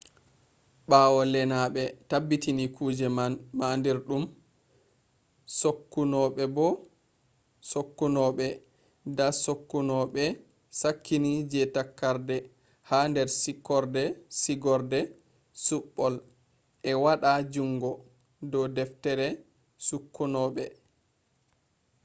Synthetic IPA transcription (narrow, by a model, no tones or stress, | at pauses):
ɓaːwɔlɛnaɓɛtabːitinikuːd͡ʒɛmanmandiɾɗum | sokːunɔɓɛbɔ | sokːunɔɓɛ | dasokːunɔɓɛ | sakʰːinid͡ʒɛtakːaɾdɛ | handɛɾsikːɔɾdɛsiɡɔɾdɛ | suɓːɔl | ʔɛwaɗad͡ʒuŋɡɔ | dɔdɛftɛɾɛ | sukːunɔɓɛ